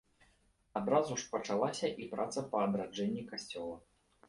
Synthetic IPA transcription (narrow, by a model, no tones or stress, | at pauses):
ad̪ɾazuʂpɐt͡ʂalˠasʲɐʔipɾʔat̪sɐpɐːd̪ɾad͡ʐɛnʲːikasʲt͡sʲɔlˠɐ